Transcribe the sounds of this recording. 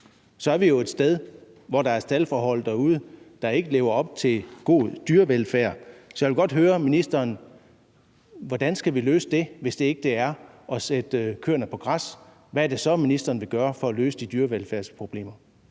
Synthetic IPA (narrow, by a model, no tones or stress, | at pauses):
sɒ̽æɐʋijo̝e̝d̥sd̥eð̞ˠ | ʋɒɾ̥ɑ̈æɐsd̥ælfɒːɦɒ̽l̰d̥ɑuð̩ˠəd̥ɑ̈e̝ɡ̥əle̝ːʊɐɒ̽b̥̚t͡sʰe̝lɡ̥o̝̰ːd̥yːɐʋelfæɐ̰sɒjæʋe̝lɡ̥ɒ̽d̥ɦøːɐminisd̥ɐːn | ʋɒd̥ænsɡ̥æʋilø̰ːsəd̥e̝ʋe̝sd̥e̝e̝ɡ̥əd̥e̝æɐʔɒ̽sed̥kʰøɐnəpʰɒ̽ɡ̥ʁas | ʋææɐd̥e̝sɒ̽minisd̥ɐːnʋe̝ɡ̥ɶːɐfɒ̽ːlø̰ːsəd̥id̥yːɐʋelfæɐ̰spʰʁo̝b̥le̝̰ːmɐ